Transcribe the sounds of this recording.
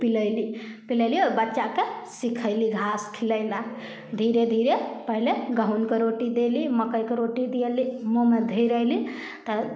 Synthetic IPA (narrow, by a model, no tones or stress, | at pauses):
piləɪli | piləjliobətːʃakesikʰəɪliɡʱaskʰiləjla | d̪ʱiɾed̪ʱiɾepəɦileɡaɦunkeɾoʈid̪eliməkəjkeɾoʈid̪ijelimomed̪ʱejɾəjli | t̪ə